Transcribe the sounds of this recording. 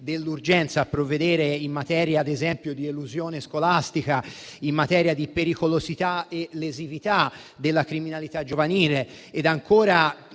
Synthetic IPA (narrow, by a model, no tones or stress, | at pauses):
d̪elːurd͡ʒɛnt̪saːpːɾovːed̪ɛːɾeimːat̪ɛːɾjaːd̪ezɛmpjod̪ieluzjoːneskolast̪ikaimːat̪ɛːɾjad̪ipeɾikolozit̪aelezivit̪a | d̪elːakɾiminalit̪ad͡ʒovaniːleː | d̪aŋkʰoːɾa